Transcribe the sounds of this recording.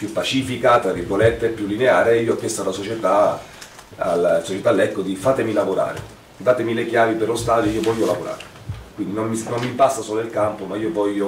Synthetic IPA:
pjupːat͡ʃifikat̪aɾivolɛt̪ːepːjulːineaːɾeiːoɔkːɛst̪alasot͡ʃet̪a | alasot͡ʃet̪alːɛkːod̪ifaːt̪emilavoɾa̰ːɾḛ | d̪aːt̪emilekjaːviperlost̪aːd̪joiːovɔʎːolavoɾa̰ːɾe | kwind̪inomːisnomːimpast̪asɔːloilkampomaiːovɔʎːo

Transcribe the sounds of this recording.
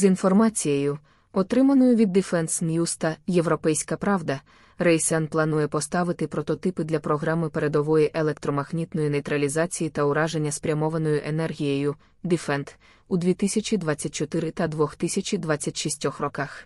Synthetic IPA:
zinfɔrmɑt͡sʲijejʊ | ɔt̪ɾɪmɐnɔjʊʋʲid̪ːɪfɛnsnʲjust̪ɐje̞ʋɾɔpɛjsʲkɐpɾɑʋd̪ɐ | rɛjsɛnplˠɐnujɛpɔst̪ɑʋɪt̪ɪpɾɔt̪ɔt̪ɪpɪd̪lʲɐpɾɔɦɾɑmɪpe̞ɾe̞d̪ɔʋɔjiʔelˠek̚t̪ɾɔmɐɣnʲit̪nɔjʊnejt̪ɾɐlʲizɑt͡sʲijit̪ɐʊɾɑʒe̞nʲːɐspɾʲɐmɔʋɐnɔjʊʔenɛrɦʲijejʊ | d̪ifɛnt̪ | ud̪ʲʋʲit̪ɪsʲɐt͡ʃʲid̪ʋɑt͡sʲːɐtʲt͡ʃɔt̪ɪɾɪt̪ɐd̪ʋɔxt̪ɪsʲɐt͡ʃʲid̪ʋɑt͡sʲːɐtʲʃisʲtʲɔxrɔkɑx

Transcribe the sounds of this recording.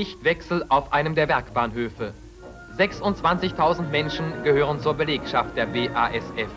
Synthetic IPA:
ɪçtv̥ɛksl̩aʊfʔaɪnəmdeːɐvɛɐkb̥aːnɦøːfə | zɛksʊntt͡sv̥ant͡sɪçtʰaʊzn̩tmɛnʃn̩ɡ̥əhøːʁ̞ənt͡suːɐbəleːkʃaft̚d̥eːɐbeːʔaːʔɛsʔɛf

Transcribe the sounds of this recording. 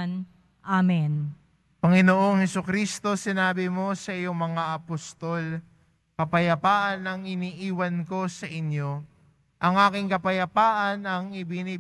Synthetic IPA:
n | ʔamɛn | pɐŋɪno̞ʔo̞ŋhɛsʊkɾiːst̪o̞sɪnaːbɪmo̞sɐʔɪjo̞ŋmɐŋaʔɐpost̪o̞l | kɐpɐjɐpaːʔɐnːɐŋɪniːʔiːwɐnko̞sɐʔɪɲjo̞ | ʔɐŋaːkɪŋkɐpɐjɐpaːʔɐnɐŋɪbiniː

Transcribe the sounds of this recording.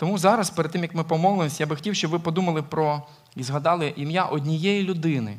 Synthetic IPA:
t̪ɔmuzɑɾɐspeɾd̪̚t̪ːɪmjɐkmɪpɔmɔlˠɪmɔsʲɐjabɪxɔ̥tʲiwʃt͡ʃɔbʋɪpɔd̪umɐlˠɪpɾɔ | izɦɐd̪ɑlˠɪʔimjaʔɔdʲnʲijɛjilʲʊd̪ɪnɪ̰

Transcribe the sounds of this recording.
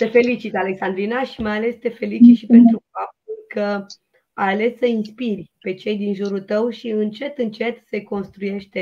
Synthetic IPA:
t̪e̞fe̞lit͡ʃit̪ale̞ksand̪ɾinaʃimajale̞st̪e̞fe̞lit͡ʃit̪ʃipe̞nt̪ɾufap̚t̪ulkə | aale̞sːəinspirʲpe̞t͡ʃe̞jd̪inʒuɾult̪əwʃiɨnt͡ʃe̞t̪ɨnt͡ʃe̞t̪se̞ko̞nst̪ɾuje̞ʃt̪e̞

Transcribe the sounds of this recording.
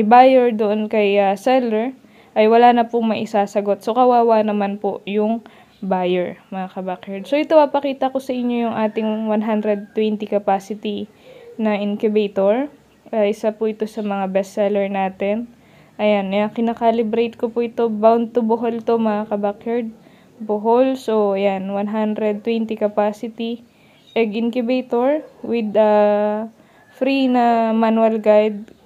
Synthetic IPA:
ɐjbajɛɹd̪oʔonkɐjɐsɛlɛɹ | ʔɐjwɐlaːnɐpʊmɐʔɪsaːsɐɡo̞t̪̚so̞kɐwaːwanɐmanpoʔjʊŋ | bajɛɹmɐŋakɐbakjaɹd̪̚soʔɪt̪opɐpɐkiːt̪ɐko̞sɐʔɪɲɲːo̞jʊŋʔaːt̪ɪŋwanɦand̪ɾɛd̪̚t̪ːwɛnt̪ikɐpaːsɪt̪i | nɐʔɪnkʊbɛjt̪oɹ | ʔɐʔɪsapʊʔɪt̪o̞sɐmɐŋabɛst̪sɛlɛɹnaːt̪ɛn | ʔɐjanakɪnɐkaːlɪbɾejt̪̚kopʊʔɪt̪o̞bawnd̪̚t̪ʊboɦolt̪omɐakɐbakjɛɹd̪̚ | boɦolsoɐjanwanɦand̪ɾɛd̪̚t̪ːwɛnt̪ikɐpaːsɪt̪i | ʔɛɡʔɪnkʊbejt̪oɹwɪd̪ɐ | fɾinɐmanwɐlɡajd̪̚

